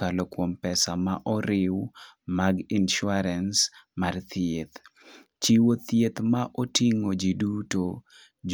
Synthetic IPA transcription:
kalokwompɛsama̰ʔɔɾɪwmaɡinʃʊaɾɛnsmart̪ʰjet̪ | t͡ʃiwot̪jet̪maʔotiŋod͡ʒiduto | d͡ʒ

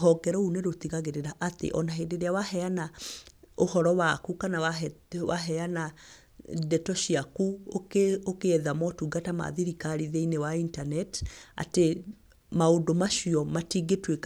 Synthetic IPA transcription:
ɔɡɛɾɔuneɾotiɣaɣeɾeɾaʔatḛʔɔnaɦendeɾeawahɛana | ohɔɾɔwakukanawawaɦɛana | dɛtɔʃiakuokokeɛðamɔtuɡatama̰ðiɾikaɾiðeinewaintanɛta̰te | maodomaʃiɔmatiːɡetwek

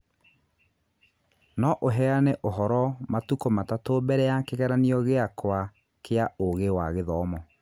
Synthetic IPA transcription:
nɔʔoɦɛaneʔoɦɔɾɔmatukomatatobɛɾɛjakeɣɛɾaniɔɣeakwa | kʰeaoɣewaɣeðɔmɔ

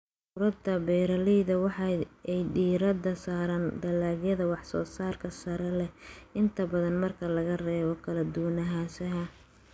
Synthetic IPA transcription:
ʊɾɐd̪ɐbɛːɾɐlɛjðɐwɑħɑɛjɖiːɾɐd̪ɐsaːɾand̪ɐlaːɡjɐðɐwɑħsɔ̰ːsaːrkʰɐsɐɾɛlɛʔɪnt̪ʰɐbɐðɐnmɐrkʰɐlɐɣɐrɛːβɔkʰɐlɐd̪ʊwnɐɦaːsɐɦɐ

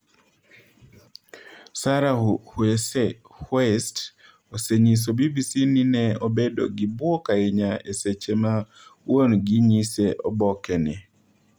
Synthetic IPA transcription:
saɾahwɛsɛ | hwɛst | oseɲis̬obibisininɛobedo̰ɡibwokaiɲaeset͡ʃema | wonɡiɲiseʔobɔkɛnɛ

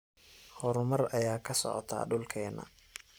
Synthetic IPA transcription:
hɔɾʊmɐrɐjaːkʰɐsɔ̰ʕɔ̰t̪ʰa̰ːɖʊlkʰɛːnɐ̰

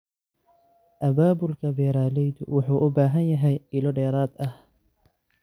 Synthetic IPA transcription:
ʔɐbaːbʊlkʰɐbɛːɾaːlɛjd̪ʊ̰wʊħuːʔʊbaːɦɐnjɐɦɛjɪlɔɖɛːɾaːd̪ɐh

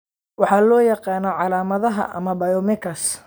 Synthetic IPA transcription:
wɑħɑːlɔːjɑqɑːnɔʕɑlaːmɐðɐɦɐ̰ʔɐ̰mɐbɐjɔmɪkʰɐs

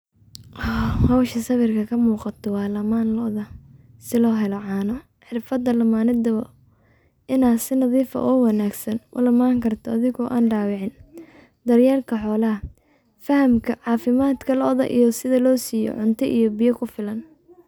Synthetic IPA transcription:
ʔɔhɐwʃɐsɐβɪrkʰɐkʰɐmuːqɑt̪ʰɔwɑːlɐmaːnlɔʔðɐ | sɪlɔːɦɛlɔʕɑːnɔ | ħɪrfɐd̪ɐlɐmaːnɪd̪ɐβɐ | ʔɪnaːsɪnɐðiːfɐ̰ʔɔːwɐnaːɡsɐnʔʊ̰lɐmaːŋkʰɐrt̪ʰɔɐðɪɣɔʔa̰ːnɖaːwɪʕɪn | d̪ɐrjaːlkʰɐħɔːlɐɦɐ | fɐɦɐmkʰɐʕɑːfɪmaːd̪kʰɐlɔʔðɐ̰ʔḭjɔsɪðɐlɔːsiːjɔ̰ʕʊnt̪ʰɔʔḭjɔbɪjɐkʰʊfɪlɐn

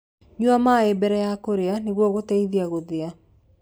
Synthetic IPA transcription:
ɲuamaebɛɾɛjakoɾeaneɣwɔɣotɛiðiaɣoðea

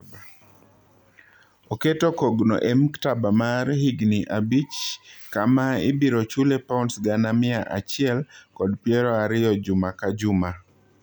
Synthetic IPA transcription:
b | oketokoɡnɔ̰ʔɛmktabamaɾhiɡniʔabit͡ʃkamaɪ̰biɾɔt͡ʃulepaunsɡanamɪaʔa̰t͡ʃɪɛlkɔdpjeɾɔaɾɪjɔd͡ʒʊmakad͡ʒʊma

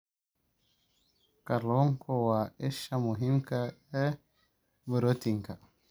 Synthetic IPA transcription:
kalɔŋkʰɔwaɛʃamuɦimkaɛ | bəɾotiŋka

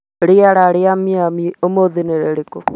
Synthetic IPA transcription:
ɾeaɾaɾeamiamiomoðineɾeɾeko

